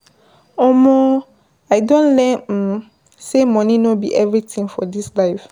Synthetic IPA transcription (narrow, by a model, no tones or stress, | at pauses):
ɔmɔ | aɪdõnlɛm̩ | semɔ̃nĩnobḭʔɛvɹitʰĩŋfɔ̰dislaɪf